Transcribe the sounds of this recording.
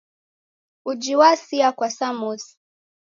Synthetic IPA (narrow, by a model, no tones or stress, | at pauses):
ud͡ʒiwasiakwasamus